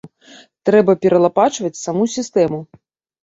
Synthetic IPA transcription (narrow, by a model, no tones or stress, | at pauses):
t̪ɾɛbɐpʲɛɾɐlˠapat͡ʂvɐt͡sʲsamusʲist̪ɛmu